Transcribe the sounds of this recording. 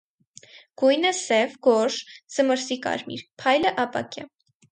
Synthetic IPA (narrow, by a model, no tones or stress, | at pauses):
ɡ̥ujnəsɛvɡɔʃz̥əməɾsikɑ̰ɾmḭɾpʰɑjləʔɑpɑ̰kʲɑ